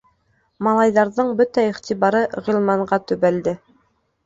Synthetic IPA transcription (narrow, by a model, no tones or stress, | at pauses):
mɑlˠɑjðɑɾðɤɴbɵt̪æiχt̪iβɑɾɤʁilˠmɑɴɢɑt̪ɵ̆βæld̪ɘ